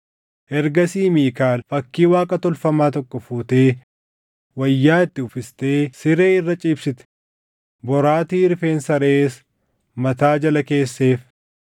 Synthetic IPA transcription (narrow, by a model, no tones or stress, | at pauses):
ʔɛɾɡɐsiːmiːkaːlfɐkːiːwaːkʼɐt̪ɔlfɐmaːt̪ɔkːɔfuːt̪e̞ː | wɐjːaːɪt̪ːɪʊfɪst̪e̞ːsɪɾe̞ːɪrːɐt͡ʃʼiːbsɪt̪ɛ̥ | bɔɾaːt̪iːɪɾfe̞ːnsɐɾeːs | mɐt̪aːd͡ʒɐlɐke̞ːsːe̞ːf